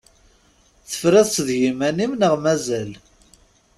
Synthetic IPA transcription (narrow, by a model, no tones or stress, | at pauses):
θə̥fɾæðsəðʝimænimnəʁmæzæl